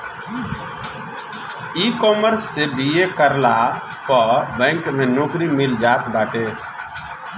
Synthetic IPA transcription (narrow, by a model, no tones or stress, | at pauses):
iːkoːməɾsːeɖiːeːkəɾlaː | kɔbɛ̃ŋkmẽːnoːkɾiːmɪld͡ʒaːt̪baːʈeː